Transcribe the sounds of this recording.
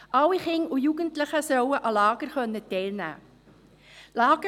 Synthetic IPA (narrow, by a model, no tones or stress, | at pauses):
ʔɑwiχɪŋujuːɡəntləχəsœwəʔɑlɑːɡ̥əɾχœnːətɛɪlnæ̰ː | lɑːɡ̥ə